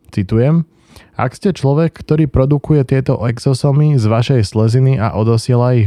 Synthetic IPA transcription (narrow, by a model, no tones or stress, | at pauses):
t͡sit̪ujɛm | a̰kscɛt͡ʃlɔʋɛkʰːt̪ɔɾiːpɾɔd̪ukujɛt̪ɪɛt̪ɔʔɛɡzɔsɔmizʋaʃɛjslɛzinia̰ʔɔd̪ɔsɪɛlai